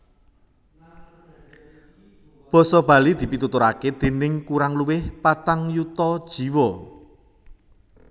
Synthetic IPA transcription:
b̥ɔ̤sɔb̥a̤lid̪̥i̤pit̪ut̪ʊɾaked̪̥e̤nɪŋkuɾaŋluwɪhpat̪aŋjut̪ɔd̥ʒ̥i̤wɔ

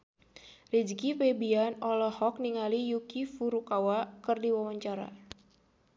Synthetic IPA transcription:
rid͡ʒkipebianɔlɔhɔk̚niŋalijukifuɾukawakɨrdiwawaɲt͡ʃaɾa̰

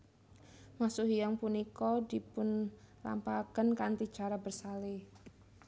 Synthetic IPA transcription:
masuɦijaŋpunikɔd̪ipʊnla̰mpakənkant̪i̥d͡ʒ̥aɾabərsale

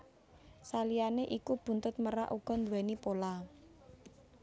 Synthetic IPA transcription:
salijaneʔikub̥ṳnt̪ʊt̪̚məɾa̰ʔuɡ̥ɔ̤nd̪wɛnipola

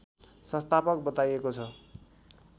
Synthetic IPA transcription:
sʌ̃st̪apʌk̚bʌt̪ajekot͡sʰʌ

